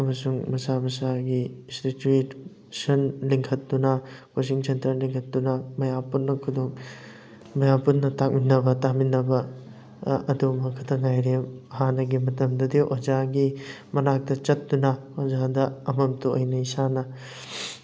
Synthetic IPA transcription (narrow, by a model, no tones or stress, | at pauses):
ɐmɐsuŋmɐsamɐsaɡisɾituit | sɐnliŋkʰɐt̚dunɐwasiŋsɐntɾɐliŋkʰɐt̚dunɐmɐjapunːɐkʰudoŋ | mɐjapunnɐtak̚minːɐbɐtaminːɐbɐ | ɐdumɐkʰɐtʰɐŋajɾemhanɐɡimɐtɐmdɐdiʔod͡ʒaɡi | mɐnak̚tɐt͡ʃɐt̚dunɐ | ozadɐɐmɐmtuojnɐisanɐ